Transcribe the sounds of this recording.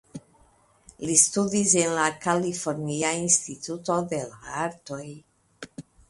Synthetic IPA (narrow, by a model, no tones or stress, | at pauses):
listudise̞nlakalifo̞ɾniainstituto̞de̞laaɾto̞j